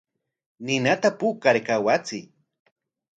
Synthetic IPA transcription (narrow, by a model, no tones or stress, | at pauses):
nɪnat̪apukaɾkawat͡sɪ